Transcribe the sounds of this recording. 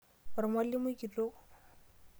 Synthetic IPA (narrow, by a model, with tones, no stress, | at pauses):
ʊ˨ɾɪ˨mwa˦li˦mʊ˦ki˨to˦